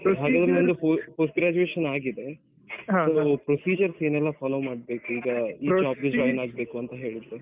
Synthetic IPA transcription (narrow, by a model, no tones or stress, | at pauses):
ɦaːɡaːd̪ɾeond̪upopoːsʈɡɾaːt͡ʃueːʃɐnaːɡid̪e̞ | soːpɾosiːd͡ʒɐɾseːnɛlːɐfaːloːmaːɽbe̞ːkuiːɡɐiːd͡ʒaːb̚ɡed͡ʒaːjnaːɡ̚be̞ːkuɐnt̪ɐɦe̞ːɭid̪ːe